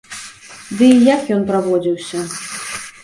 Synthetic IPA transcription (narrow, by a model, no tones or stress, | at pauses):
d̪ɨijakjɔnpɾavɔd͡zʲiwsʲɐ